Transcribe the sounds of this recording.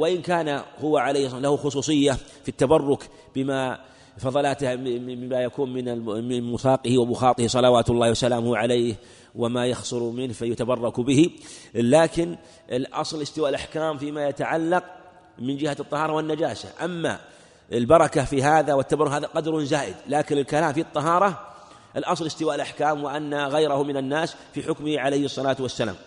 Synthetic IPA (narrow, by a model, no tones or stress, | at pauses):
wɪʔɪnkaːnahʊwaʕalejhsˤlahuxʊs̬ˤuːsˤɨjːa | fit̪ːabɑrˤːʊk | b̥ɪma | fɑðˤɑlaːt̪majakuːnmɪnaɪmʊsɑːqɪhiwabʊxɑːt̪ˤɪhisˤɑlɑwaːt̪ʊlːɑːwasalaːmʊhʕalaː | wɪmajɑxsˤʊɾmɪnfajʊt̪abɑrˤːɑkbɪhilaːkɪn | ɪlʔɑ̰sˤlɪst̪ɪwaːʔɪlʔaħkaːmfimajat̪aʕalːɑq̚ | mɪnd͡ʒɪhat̪ˤːɑhɑːɾˤɑwɪnːad͡ʒaːsa̰ʔamːa̰ | ɪlbɑɾˤɑkafiɦaːðawɪt̪ːabɑrˤːʊhɦaːðaqɑd̪ɾˤʊnzaːʔɪd̪laːkɪnɪlkalaːmfit̪ˤːɑɦɑːɾˤɑ | ʔɪlʔɑsˤlɪst̪ɪwaːʔɪlʔaħkaːmwɪʔanːaɣajɾahʊmɪnanːaːsfiħʊkmɪhiʕalajhɨsˤːɑlaːt̪wasːala̰ːm